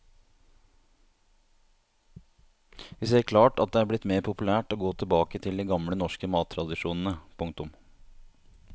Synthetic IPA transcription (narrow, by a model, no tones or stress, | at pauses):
ʋɪseːɾkʰlɑːʈɑt̪̚d̪ɛæːɾblɪt̪meːɾpʰʊpʉlæːʈoːɡoːt̪ʰɪlbɑːkət̪ʰɪld̪iːɡɑmɽənɔʂkəmɑːt̪ʰːɾɑd̪ɪʂuːnn̩əpʰʊŋk̚t̪ʊm